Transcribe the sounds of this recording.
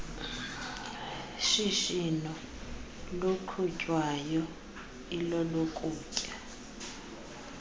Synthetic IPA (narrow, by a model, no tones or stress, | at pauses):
ʃiʃinɔ | luǃʰucʼwajɔ | ilɔlɔkʼuːcʼa